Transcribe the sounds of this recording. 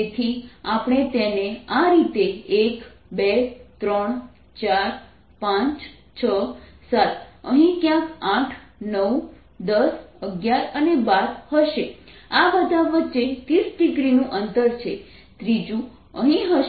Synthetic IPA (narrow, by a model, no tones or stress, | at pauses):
et̪ʰiapɳ̃et̪eneaɾit̪eek | bet̪ɾəɳ | t͡ʃaɾ | pãt͡ʃ | t͡ʃʰəsat̪əɦĩkjãkãʈʰnəw | d̪əsəɡjaɾənebaɾhəʃe | aʋəd̪aʋət͡ʃet̪isɖiɡɾinũʔənt̪əɾt͡ʃʰe | t̪ɾid͡ʒũ | əɦĩɦəʃ